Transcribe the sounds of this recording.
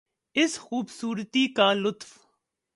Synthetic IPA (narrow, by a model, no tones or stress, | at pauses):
ɪsxuːbsuːɾt̪iːkaːlʊt̪f